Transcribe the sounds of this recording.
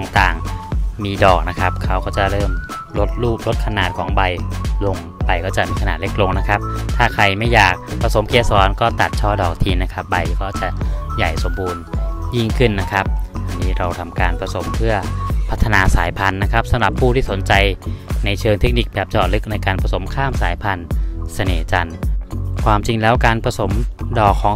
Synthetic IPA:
ɔ˧ŋt̪aː˨˩ŋmiː˧dɔː˨˩k̚na˦˥kʰa˦˥p̚kʰa˦˥wkɔː˥˩t͡ɕa˨˩ʔɾɤː˥˩m | lo˦˥t̪̚ɾuː˥˩p̚ɾo˦˥t̪̚kʰa˧naː˨˩t̪̚kʰɔː˩˦ŋba˧jlo˧ŋ | ba˧jkɔː˥˩t͡ɕa˨˩miː˧kʰa˧naː˨˩le˦˥k̚lo˧ŋna˦˥kʰa˦˥p̚t̪ʰaː˥˩kʰɾa˧jma˥˩jːaː˨˩k̚pʰɾa˧so˩˦mkʰeː˧˥sɔː˨˦˥nkɔː˥˩t̪a˨˩t̪̚t͡ɕʰɔː˥˩dɔː˨˩k̚t̪ʰiː˧nːa˦˥kʰa˦˥p̚ba˧jkɔː˥˩t͡ɕa˨˩ʔja˨˩jso˩˦mbuː˧nji˥˩ŋkʰɯ˥˩nːa˦˥kʰa˦˥p̚ʔa˧nːiː˦˥ɾa˧wt̪ʰa˧mkaː˧npʰɾa˧so˩˦mpʰɯ˥˩ɐpʰa˦˥t̪ʰːa˧naː˧saː˩˦jpʰa˧nːa˦˥kʰa˦˥p̚sa˧mɾa˨˩pʰːuː˥˩t̪ʰiː˥˩so˩˦nt͡ɕa˧jna˧jt͡ɕʰɤː˧ŋt̪ʰe˦˥k̚ni˨˩k̚bɛː˨˩p̚t͡ɕɔː˨˩t̪̚lɯ˦˥k̚na˧jkaː˧npɾa˧so˩˦mkʰaː˥˩msaː˩˦jpʰa˧nsa˧neː˨˩t͡ɕa˧nkʰwaː˧mt͡ɕi˧ŋlɛː˦˥wkaː˧npʰɾa˧so˩˦mdɔː˨˩kʰːɔː˩˦ŋ

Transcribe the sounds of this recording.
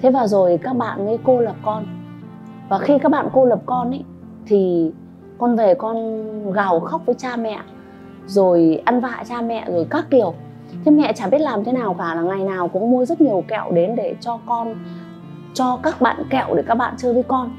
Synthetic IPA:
t̪ʰe˨˦vaː˨˩zo˨˩jkaː˦˥k̚ɓa̰ː˧˨nmi˨˦ko˧lə˨˩p̚kɔ˧n | vaː˨˩xi˧ka˦˥k̚ɓa̰ː˧˨nko˧lə˨˩p̚kɔ˧nʔa˨˦j | t̪ʰi˨˩ | kɔ˧nve˨˩kɔ˧nɣa˨˩wxa˦˥wk͡p̚vəː˨˦jt͡ɕaː˧mɛ̰˧˨ | zo˨˩jʔa˧nva̰ː˧˨t͡ɕaː˧mɛ̰˧˨zo˨˩jkaː˦˥k̚ki˨˩əwk̚ | t̪ʰe˨˦mɛ̰˧˨t͡ɕaː˧˩ɓi˦˥ət̚laː˨˩mt̪ʰe˨˦naː˨˩wkaː˧˩laː˨˩ŋa˨˩jnaː˨˩wkʊ̰˧˥ŋ͡mmu˧əzə˦˥t̚ɲi˨˩əwkɛ̰˧˨wɗe˨˦nɗe˧˩t͡ɕɔ˧kɔ˧n | t͡ɕɔ˧kaː˦˥k̚ɓa̰ː˧˨nkɛ̰˧˨wɗe˧˩kaː˦˥k̚ɓa̰ː˧˨nt͡ɕɨ˧əvi˧kɔ˧n

